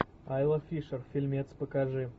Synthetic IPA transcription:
ajlˠɐfʲiʂərfʲilʲmʲet̪spəkaʐɨ

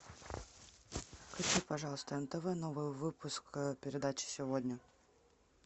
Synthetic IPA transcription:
klʲɪt͡ɕʲːipɐʐɑlˠəst̪əɛmt̪ɛvɨnovɨjvɨpʊskpʲɪɾʲɪd̪at͡ɕɪ̥sʲɪvodʲnʲə

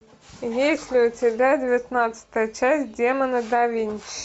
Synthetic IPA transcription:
jesʲlʲɪʊtʲɪbʲadʲɪvʲɪt̪nat̪sə̥t̪əjət͡ʃæsʲt̚ʲdʲemənəd̪aʋʲinʲt͡ʃ

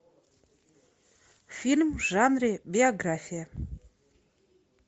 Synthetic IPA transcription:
fʲilʲmʒanribʲioɡrafʲija

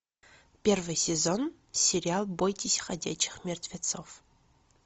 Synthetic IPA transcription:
pʲervɨjsʲezon | sʲeɾʲɪalˠbojtʲɪsʲχɐdʲæ̰t͡ɕːɪ̥χmʲert̪ʲvʲet̪sof

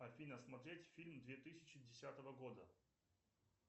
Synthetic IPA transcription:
ɐfʲinəsmɐt̪ɾʲetʲfʲilʲmd̪vʲet̪ɨsʲɪ̥t͡ɕɪdʲɪsʲat̪əvəɡo̞d̪ə

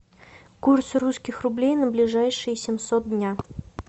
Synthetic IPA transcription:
kursruskʲɪxrʊblʲejnəblʲɪʐajʂɨjɪsʲɪmsot̪̚dʲnʲa

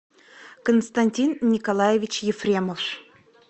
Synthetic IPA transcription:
kənst̪anʲtʲinːʲikɐlˠajevʲit͡ɕjɪfrʲemof

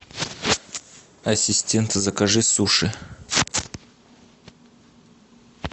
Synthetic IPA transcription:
ɐsʲɪsʲtʲe̞nt̪zəkɐʐɨsuʂɨ

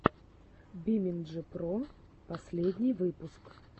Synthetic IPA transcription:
bʲimʲɪnʐɨpɾo | pɐsʲlʲed̪ʲnʲɪjvɨpʊsk

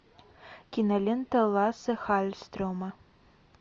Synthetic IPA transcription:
kʲinɐlʲent̪ɐlˠasɨxalʲst̪ɾomɐ

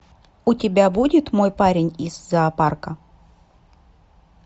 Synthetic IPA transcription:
utʲɪbʲabudʲɪt̪mojpaɾʲɪnʲizːaːparkə

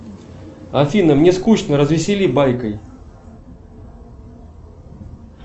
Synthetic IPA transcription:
ɐfʲinəmnʲeskut͡ɕnəɾəzvʲɪsʲɪlʲibajkəj

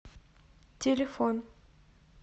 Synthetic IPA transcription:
tʲelʲefon

